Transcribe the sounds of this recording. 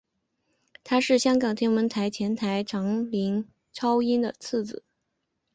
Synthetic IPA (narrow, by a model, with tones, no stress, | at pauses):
t̪ʰa˥ʂɻ̩˥˩ɕjɑ˥ŋkɑ˨˩ŋt̪ʰjɛ˥nwə˧˥nt̪ʰa˧˥ɪt͡ɕʰjɛ˧˥nt̪ʰa˧˥ɪʈ͡ʂʰɑ˧˥ŋli˧˥ŋ | ʈ͡ʂʰɑ˥ʊi˥nd̪ə̰˨t͡s̩ʰ˥˩d͡zɹ̩˨˩˦